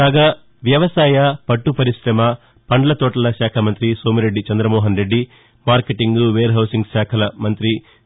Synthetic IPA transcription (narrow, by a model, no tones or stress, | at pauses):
aːɡaː | ʋjɐʋɐsaːjɐpɐʈːupɐɾiʃɾɐmɐ | pɐɳɖɐlɐt̪ɔːʈɐlɐʃaːkʰɐmɐnt̪ɾisoːmiɾe̞ɖːit͡ʃɐnd̪ɾɐmɔːɦɐnɾe̞ɖːi | maːɾkeʈiŋɡuʋeːɾɦɐwsiŋɡsaːkʰɐlɐmɐnt̪ɾi